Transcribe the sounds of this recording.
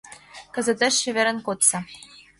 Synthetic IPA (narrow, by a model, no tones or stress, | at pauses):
kɤ̆zə̆t̪eʃːĕβĕɾə̆nkot̪sɑ